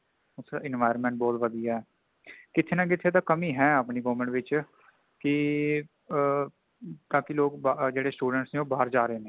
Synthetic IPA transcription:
ʊsɾa̰ːʔɪnʋaːɪɾəmɛ̃ɳʈ̚bɔːt̪ʋəd̪ijaːɛː | kɪt̪ʰeːnãːk̬ɪt̪ʰeːt̪̬ãːkəmiːɦɛ̃ːəpniːɡoːʋmə̃ɳʈʋɪt͡ʃ | kɪ | t̪ãːkɪloːkbd͡ʒeːɽeːsʈuːɖəɳʈsnẽːoːbaːəɾd͡ʒaːɾeeːnẽː

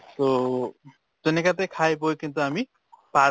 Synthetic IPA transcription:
t̪o | t̪enekat̪ejkʰajbojkint̪uami | pa

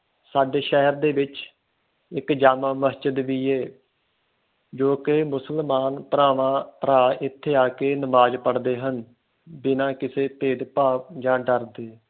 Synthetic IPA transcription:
saːɖeːʃɛɦəɾd̪eːʋɪt͡ʃ | ɪkd͡ʒaːmãːməst͡ʃəd̪ʋiːeː | d͡ʒoːkeːmʊsəlmaːnpəɾaːʋãːpəɾaːɪt̪ʰːeːaːkeːnəmaːd͡ʒpəɽd̪eːɦən | bɪnãːkɪseːpeːɖpaːp̚d͡ʒãːɖəɾd̪eː

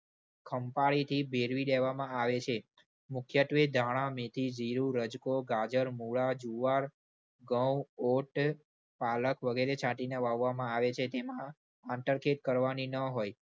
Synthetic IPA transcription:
kʰəmpaɭit̪ʰibʱeɾʋileʋamãaʋet͡ʃʰe | mʊkʰjəʈ̪ʋed̪ʱaɽ̃ãmet̪ʰid͡ʒiɾũɾəd͡ʒkoɡad͡ʒəɾmuɭad͡ʒuʋaɾ | ɡəwoʈ | paləkʋəɡeɾet͡ʃʰaʈineʋaʋːamãaʋet͡ʃʰet̪emã | ãɳʈəɾkʰeʈ̚kəɾʋaninəɦoj

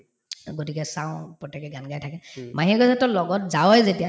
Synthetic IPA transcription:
ɡotikɛsaʊ̃pɹɔtːɛkɛɡanɡajtʰakɛmaɦiɡɔzatɔlɔɡɔtzawɛzetija

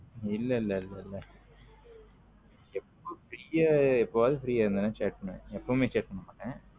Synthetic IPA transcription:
ɪlːɐɪlːɐɪlːɐɪlːɐ | ɛpːoːfɪɾiːjɐɛpːoʋaːðɯfɪɾiːjaːɪɾɯnd̪ɐnːãːt͡ʃeːʈ̚pɐɳːɛ̰̃ɛpːoːmeːt͡ʃeːʈ̚pɐɳːɐmːaːʈːɛ̃ː

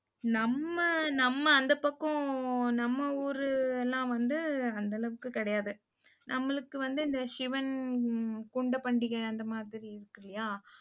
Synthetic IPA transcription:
nɐmːɐnɐmːɐːnd̪ɐpɐkːõnɐmːɐuːɾɯɛlːãːʋɐnd̪ɯɐnd̪ɐlɐʋɯkːɯkɪɽɐjaːðɯ | nʔɐmːɐɭɯkːɯʋɐnd̪ɯɪnd̪ɐʂɪʋɐn | kuɳɖɐpɐɳɖɪɣɐɐnd̪ɐmaːðɪɾiɪɾɯkːɐlɪjaː

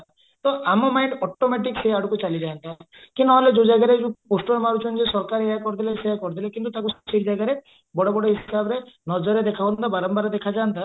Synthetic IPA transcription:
t̪ɔamɔmajɳɖɔʈomeʈikseaɽukut͡ʃalid͡ʒaɦant̪a | kinɔɦɔled͡ʒod͡ʒaɡaɾed͡ʒũposʈɔɾmaɾut͡ʃʰɔnd͡ʒesɔɾkaɾeakɔɾt̪ʰilaseakɔɾt̪ʰilakint̪ut̪akusɔ̥t͡ʃikd͡ʒaɡaɾe | bɔɽobɔɽoɦisabɔɾenɔd͡ʒɔɾed̪ekʰabɔnnt̪abaɾɔmbaɾed̪ekʰad͡ʒant̪a

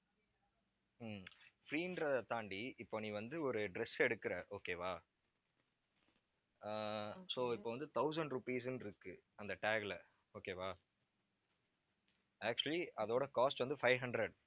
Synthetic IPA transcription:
fɾiːɪnɖɾɐðɐt̪aːɳɖiɪpːoːniːʋɐnd̪ɯɔɾɯɖɾɛsɛɽɯkːɪɾɐʔoːkeːʋaː | soːɪpːoːʋɐnd̪ɯt̪ɐʊsɐɳɖɾʊpiːs̬ɯnɪɾɯkːɯɐnd̪ɐʈeːɡlɐ | oːkeːʋaː | æːk̚t͡ʃʊɐliʔɐðoːɽɐkaːsʈʋɐnd̪ɯfɐɪʋɦɐɳɖɾɛɖ

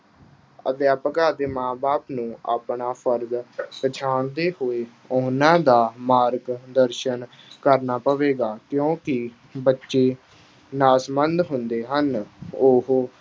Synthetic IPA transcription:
ə̰t̪eːəpəkaːd̪eːmãːbaːpnũːa̰ːpɳaːpʰəɾd̪pət͡ʃʰaːɳd̪eːhoːeː | oːnãːd̪aːmaːɾɡd̪əɾʃən | kəɾnaːpəʋeːɡaːkjõːkɪ | bətːʃeː | naːsmənd̪ɦʊnd̪eːɦənʊɦ

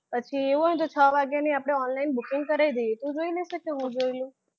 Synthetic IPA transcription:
pət͡ʃʰieʋũəɦũt̪ot͡ʃʰəʋaɡjaniapɽ̃eɔnlainbukɪ̃ŋɡ̚kəɾajid̪ejet̪ũd͡ʒoileiʃəkeɦũd͡ʒoilũ

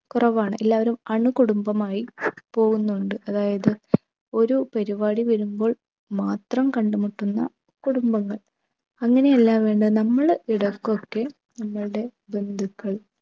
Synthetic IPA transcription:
kurɐʋaːɳɨelːaːʋɐɾumɐɳukuɽumbɐmaːjipo̞ːɣunːuɳɖɨʔɐðaːjɐðɨ | o̞ɾupɐɾiʋaːɽiʋɐɾumbo̞ːɭ | maːt̪rɐmkɐɳɖumuʈːunːɐ̰ | kuɽumbɐŋːɐɭ | ɐŋːɐne̞jɐlːaːʋe̞ːɳɖɨnɐmːɐɭiɽɐkːo̞kːe̞ | nɐmːɐɭɨɽe̞ | be̞nd̪ʱukːɐɭ

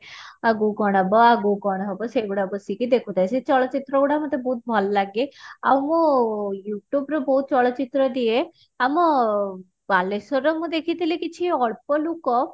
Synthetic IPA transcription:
aɡukɔɽ̃abɔaɡuɡɔɽ̃ɦɔbɔseɡuɽabɔsikid̪ekʰud̪ajset͡ʃɔɭɔt͡ʃit̪ɾɔɡuɽamɔt̪ebɔɦut̪̚bʱɔllaɡea̰wmũjuʈjubɾɔbɔɦut̪̚t͡ʃɔɭɔt͡ʃit̪ɾɔd̪ie | amɔ | balesɔɾɔmũd̪ekʰit̪ilikit͡ʃʰiɔɭpɔlukɔ

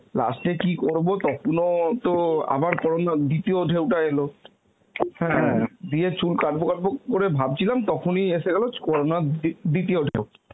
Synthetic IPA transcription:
la̰sʈekikoɹbot̪ɔkʰonot̪oa̰baɾkɔɹonad̪it̪ioɖʱewʈaelo | hɛ̃d̪iet͡ɕulkaʈ̚bokaʈ̚bokoɾebʱab̚t͡ɕʰilamt̪ɔkʰonieseɡɛlokɔɾonad̪it̪ioɖʱew

